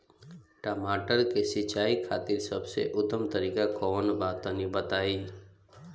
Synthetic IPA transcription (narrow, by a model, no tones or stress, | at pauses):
ʈəmaːʈəɾkesɪt͡ʃaːikʰaːt̪iɾsəbsḛʔʊd̪əmt̪əɾiːkakɔːnbaːt̪onibət̪aːi